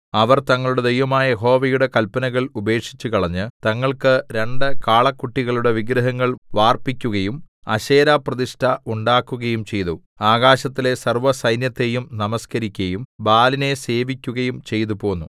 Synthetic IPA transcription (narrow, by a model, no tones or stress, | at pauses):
ɐʋɐrt̪ɐŋːɐɭuɽe̞d̪ejʋɐmaːjɐjeɦo̞ːʋɐjuɽe̞kɐlpɐnɐɣɐɭube̞ːkʂi̥t͡ɕːukɐɭɐɲːɨt̪ɐŋːɐɭkɨɾe̞ɳɖɨkaːɭɐkːuʈːiɣɐɭuɽe̞ʋiɡɾɐɦɐŋːɐɭʋaːrpikʲːuɣɐjumɐ̰ɕe̞ːɾaːprɐðiʂʈʰɐʔuɳɖaːkːuɣɐjumt͡ɕe̞jt̪u | aːɣaːɕɐt̪ːile̞sɐrʋɐsɐjnjɐt̪ːe̞jumnɐmɐskɐɾikʲːɐjumbaːline̞se̞ːʋikʲːuɣɐjumt͡ɕe̞jt̪upo̞ːnːu